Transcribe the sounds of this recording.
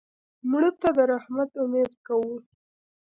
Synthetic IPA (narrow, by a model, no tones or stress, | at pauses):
mɽət̪ad̪əɾahmat̪ʊmed̪̚kawu